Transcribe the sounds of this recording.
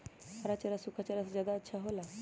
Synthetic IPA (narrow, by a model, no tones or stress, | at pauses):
aɾat͡ʃaɾasʊkʰat͡ʃaɾaszjad̪aətːʃʰaɦola